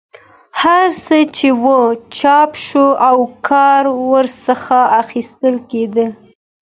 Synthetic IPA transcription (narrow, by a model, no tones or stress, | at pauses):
haɾsət͡ʃewət͡ʃɑpʃoawkʰɑɾwəɾsəxaːxist̪əlked̪ə